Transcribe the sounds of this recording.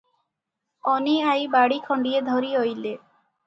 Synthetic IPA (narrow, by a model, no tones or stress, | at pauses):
ɔniajbaɽikʰɔɳɖied̪ʱoɾiɦojle